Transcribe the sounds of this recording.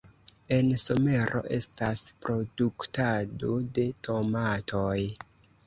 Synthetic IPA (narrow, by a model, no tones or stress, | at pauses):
e̞nso̞me̞ɾo̞̰ʔe̞̰staspɾo̞duktadode̞tʰo̞matʰo̞j